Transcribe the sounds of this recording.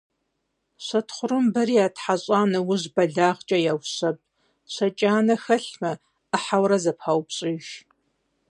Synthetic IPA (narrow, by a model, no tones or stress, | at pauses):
ɕʷɐtʰχʷʊrɨmbɐɾiːjaːtħaɕʼaːnɐwʊʑbɐɮaːʁt͡ʃʼɐjaːwɕɐp̚ʼ | ɕʷɐt͡ʃʼaːnɐxɐɬmɐ | əħawɾɐzɐpʰawpɕʼiːʒ